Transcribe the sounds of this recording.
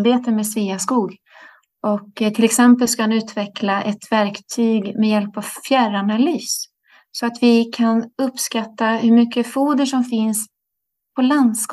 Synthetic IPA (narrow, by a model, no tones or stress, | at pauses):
beːt̪əmeːsveːaskuːɡ | ʔɔkt̪ʰɪlɛksɛmpəlskahanʉ̟ːt̪vɛklaʔɛt̪væɾkt̪ʰyːɡmɛjɛlpavfjæɾanalyːs | sɔat̪vɪkʰanɵpskat̪ːahɵɾmʏkːəfuːd̪əʂɔmfɪns | pʰɔland̪sk